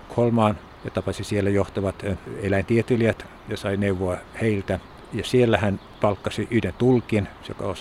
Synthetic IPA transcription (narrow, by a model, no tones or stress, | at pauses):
kholmɑːn | jɑt̪ɑpɑsisielːæjoht̪ɑʋɑt̪elæint̪iet̪iliæt̪ | jɑsɑineuʋːoɑheilt̪æ | jɑsielːæhæn | pɑlkːɑsiyhdent̪ulkinso̰kɑ̰os